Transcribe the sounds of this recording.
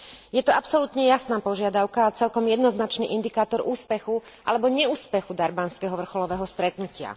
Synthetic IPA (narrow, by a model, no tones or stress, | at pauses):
jɛt̪ɔapsɔlut̪ɲɛjasnaːpɔʒɪad̪aʊkaːt͡sɛlkɔmjɛd̪nɔznat͡ʃnḭʔind̪ikaːt̪ɔɾʔuːspɛxu | ʔa̰lɛbɔɲɛuːspɛxud̪aɾbanskɛɦɔʋr̩xɔlɔʋɛːɦɔst̪ɾɛt̪nucɪa̰